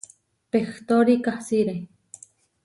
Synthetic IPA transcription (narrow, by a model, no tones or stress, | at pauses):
pext̪oɾikahsiɾe